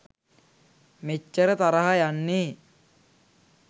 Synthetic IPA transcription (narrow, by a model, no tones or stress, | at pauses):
met͡ʃːəɾət̪aɾaɦajanːeː